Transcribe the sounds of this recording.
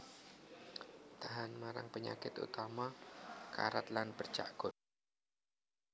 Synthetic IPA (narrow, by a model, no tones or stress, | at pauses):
t̪aɦanmaɾa̰ŋpəɲa̰kɪt̪ṵt̪amaka̰ɾat̪lanb̥ər̥t͡ʃa̰ʔɡ̥ʊt̪̚